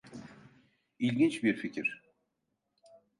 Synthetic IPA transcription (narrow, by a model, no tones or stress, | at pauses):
ilʲɟint͡ʃbiɾficʰiɾ̥